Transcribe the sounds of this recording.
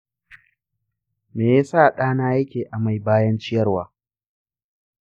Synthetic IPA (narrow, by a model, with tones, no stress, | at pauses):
meː˨ja˦saː˦˨ɗaː˦naː˦jɐ˦kʲeː˨ʔa˨ma˨jbaː˦jɐ˦nt͡ʃɪ˦jɐ˦rwaː˨˦